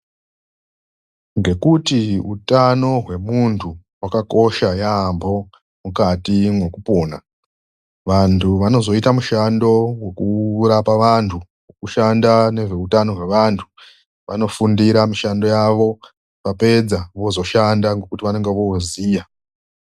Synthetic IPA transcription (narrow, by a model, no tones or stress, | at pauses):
ŋɡe̞kutiutano̞ɦwe̞muntʰu | wakako̞ʃajambo̞ | mukatimwe̞kupoːna | ʋantʰuʋano̞zo̞itamuʃando̞we̞kuɾapaʋantʰu | wokuʃandane̞ʐe̞utano̞ɦwe̞ʋantʰu̥ | ʋa̰no̞fundiɾamiʃando̞jaʋo̞ | pape̞d͡zaʋo̞zo̞ʃandaŋɡokutiʋane̞ŋɡe̞ʋoziːja